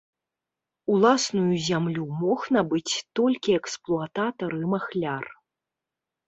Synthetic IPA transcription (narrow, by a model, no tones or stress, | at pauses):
ulˠasnujuzʲamlʲumɔxnabɨt͡sʲt̪ɔlʲkʲiɛksplˠuat̪at̪ɐɾɨmaxlʲar